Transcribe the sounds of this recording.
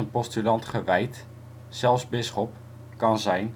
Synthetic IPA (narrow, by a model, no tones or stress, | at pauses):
ənpɔstylɑntχəʋɛjt | sɛlˠfzbɪsχɔp | kɑnzɛjn